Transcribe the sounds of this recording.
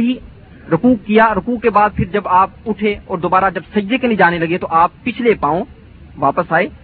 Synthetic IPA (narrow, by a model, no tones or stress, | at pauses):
i | ɾʊkuːkːijaɾʊkuːkːebaːd̪̚pʰɪɾd͡ʒɐbaːp̚ʊʈʰeɔːɾd̪oːbaːɾad͡ʒɐbsɐd͡ʒd̪ekenɪd͡ʒaːnelɐɡet̪oʔaːpːɪt͡ʃʰlepaːõ | ʋaːpəsaːeː